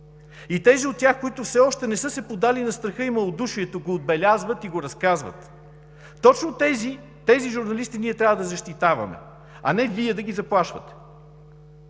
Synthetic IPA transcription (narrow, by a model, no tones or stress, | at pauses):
it̪ɛziot̪̚tʲːjaxkoit̪ʊfsɛɔʃt̪ɛnɛsɤsɛpod̪alinɐst̪ɾɐxɤimɐlˠod̪uʃiɛt̪oɡoːd̪̚bɛlʲazvət̪iɡoɾɐskazvə̰t̪ː | ɔt͡ʃnot̪ɛzi | t̪ɛziʒʊɾnɐlist̪iniɛt̪ɾʲavəd̪ɐzɐʃt̪it̪avɐ̰mɛ̰ | ɐ̰nɛviɛd̪ɐɡizɐplˠaʃvɐ̰t̪ɛ̥